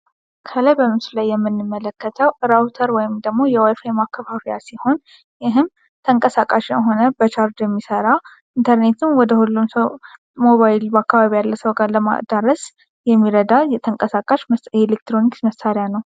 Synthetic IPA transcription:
kʰəlajbəmɨslajːɛmːɨnːɨmːələkːət̪ʰəwɾawt̪ʰəɾwɔjɪmd̪əɡmo̞jɛwajfajmakːəfafɾijasiho̞n | jɪɦɨm | t̪ʰəŋkʼəsakʼaʃɛɦo̞nəbət͡ʃʰaɾd̪jɛmːisəɾa | ʔint̪ʰəɾne̞t̪ʰɨmwɔd̪əhulːumsəw | mo̞βajilbəakːaβaβijalːəsəwɡaɾləma̰d̪aɾəs | jɛmːiɾəd̪ajɛt̪ʰəŋkʼəsakʼaʃjɛelek̚t̪ɾo̞niksməsaɾjanəw

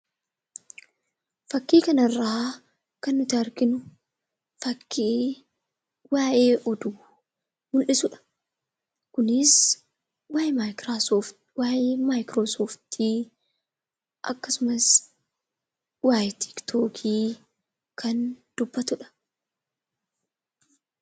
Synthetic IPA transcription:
fɐkːiːkɐnɐrːaː | kɐnːʊt̪ɪɐɾɡɪnʊ | fɐkːiː | waːʔeːʔɔd̪uː | mʊlʔɪsʊᶑɐ̥ | kʊnɪs | waːjmajɾao | waːjeːmaːjkɾoːsoːft̪ʰiː | ʔɐ̰kːɐsʊmɐs | waːjt̪ʰɪ̥kt̪ʰoːkʰiː | kʰɐnd̪̥ʊbːɐt̪ʊᶑɐ̥

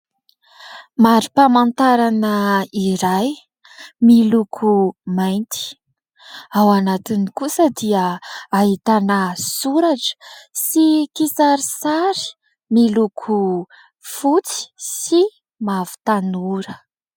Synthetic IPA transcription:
maɾipamant̪aɾanəiɾaj | milukʰumajnt̪i̥ | awanat̪inikusəd̪iəaɦit̪anəsuɾaʈ͡ʂə̥sikisaɾisaɾi̥ | milukʰu | fut͡si̥si | mavu̥t̪anuɾə

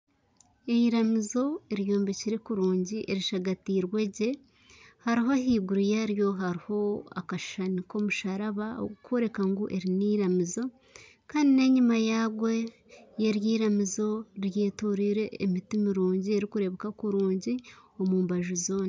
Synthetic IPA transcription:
eiɾamizo̞eɾjoːmbeciɾe̞kuɾuːɲɟiʔeɾiʃaɡatiːɾwe̞ɟe̞ | haɾiɦoɦiːɡuɾujaɾjo̞ɦaɾiho̞a̰kaʃʃaniko̞muʃaɾaβao̰ɡukʰoɾe̞kaŋɡuʔe̞ɾiniːɾamizo̞ | kaːndine̞ɲimajaːɡwe̞ | jeɾjiːɾamizo̞ɾjeːtuɾiɾe̞ːmitimiɾuːɲɟieɾikuɾe̞βekakuɾuːɲɟio̞muːmbaʒuzo̞ːna

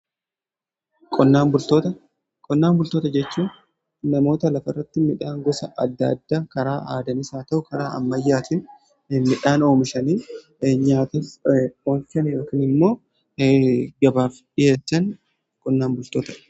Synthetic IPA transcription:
kʼɔnːaːmbʊlt̪oːt̪ɐ | kʼɔnːaːmbʊlt̪o̞ːt̪ɐd͡ʒɛt͡ʃːuː | nɐmo̞ːt̪ɐlɐfɐrːɐt̪ːɪmɪᶑaːŋɡɔsɐʔɐd̪ːɐ̰ɐd̪ːaːkɐɾaːʔaːd̪ɐnɪsaːt̪ɐʔʊkɐɾaːɐ̰mːɐjːaːt̪ɪn | mɪᶑaːno̞ːmɪʃɐniː | ɲaːt̪ɪsɔːlt͡ʃɐniɾɐkɪnɪmːo̞ː | ɡɐbaːfᶑɪjeːtːɐn | kʼɔnːaːmbʊlt̪oːt̪ɐ̥

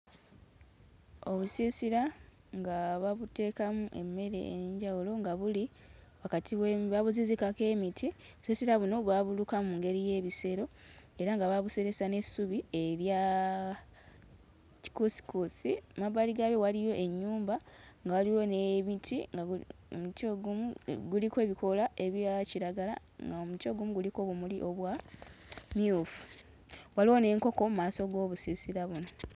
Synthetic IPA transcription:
o̞βusiːsiɾa | ŋɡaβaβute̞ːkamuʔe̞mːe̞ɾe̞̰ɲɟawulo̞ŋɡaβuliwakatʰiβweβaβuzizikake̞ːmitʰioβusisiɾaβuno̞βwaβulukamuːŋɡe̞ɾije̞ːβise̞ɾo̞eɾaŋɡaβaβuse̞ɾe̞sane̞suβie̞ɾja | ci̥kusi̥kusimaβaliɡaβewalijo̞ʔe̞ɲːuːmbaŋɡawaliwo̞neβitiŋɡaomutioɡumuɡulikwe̞ːβiko̞lae̞βjaciɾaɡala̰ | ŋɡaomutjo̞ɡumuɡuliko̞βumuliʔo̞βwa | miufu̥ | waliwo̞ne̞ːŋko̞ko̞mumaːso̞ɡo̞ːβusisiɾaβuno

